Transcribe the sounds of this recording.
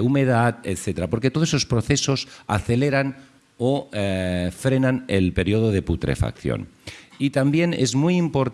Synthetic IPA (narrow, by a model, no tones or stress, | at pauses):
ume̞ð̞at̪et̪θe̞t̪eɾapo̞ɾket̪oðsesospɾo̞θe̞so̞sa̰θe̞le̞ɾan | o | fɾe̞nanelpe̞ɾjio̞ð̞oð̞e̞put̪ɾe̞̰fa̰kθjo̰nit̪ambje̞nḛzmujimpo̞ɾt̪